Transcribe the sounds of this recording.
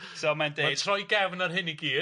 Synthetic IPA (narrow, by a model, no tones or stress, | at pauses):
somandeatʰrɔjɡɛvnarɦɪniɡiː